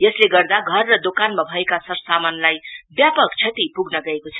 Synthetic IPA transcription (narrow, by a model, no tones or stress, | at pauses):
jʌsleɡʌrd̪aɡʱʌrːʌd̪okanmabʱʌekasʌrsamanlajbjapʌkt͡sʰʌt̪ipuɡnʌɡʌekot͡sʰʌ̥